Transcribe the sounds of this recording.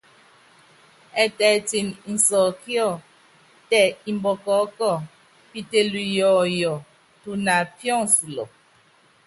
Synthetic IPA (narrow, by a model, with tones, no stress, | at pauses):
ɛ˨tɛ˨ti˨ni˨n̩˨sɔ˨kjɔ˦˨ | tɛ˨i˨mbɔ˨kɔ˨˦kɔ˦˨ | pi˦te˨lu˨jɔ˨jɔ˨ | tu˨na˨pjɔ˦˨ŋsu˨lɔ̰˨